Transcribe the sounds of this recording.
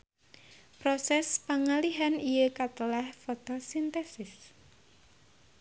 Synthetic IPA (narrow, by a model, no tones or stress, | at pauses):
pɾosɛspaŋaliɦanijəkat̪əlahfot̪osint̪ɛsɪs